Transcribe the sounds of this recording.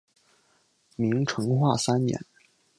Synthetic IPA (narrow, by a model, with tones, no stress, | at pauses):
mi˧˥ŋʈ͡ʂʰɤ˧˥ŋxwa˥˩sa˥nnjɛ̰˧˥n